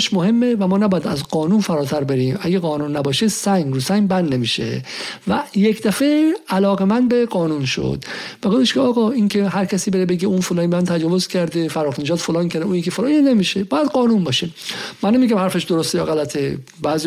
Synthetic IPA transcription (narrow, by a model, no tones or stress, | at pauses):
ʃmohe̞mːevæmɒːnæbɔːjæd̪æzɡɒːnuːnfæɾɒːt̪ʰæɾbeɾiːmæɡeɣɒːnuːnːæbɒːʃesæŋɡɾuːsæŋbænd̪ne̞miːʃḛvæjecʰd̪æfeælɒːɣemænd̪̚beɡɒːnunʃo̰d̪̥b̥eɡofeʃkʰeɒːɣɒːincʰeɦæɾcʰæsiːbeɾebe̞ɡiunfolɒːnbmænt̪ʰæd͡ʒɒːvozcʰæɾd̪efæɾɔːxneʒɒːd̪folɒːncʰæɾd̪euːnikʰefolɒnnemiːʃebɒːjæd̪ɡɒːnunbɒːʃemænːemiɡæmhæɾfeʃd̪oɾost̪ejɒ̰ːɣælæt̪ʰe | bæːzi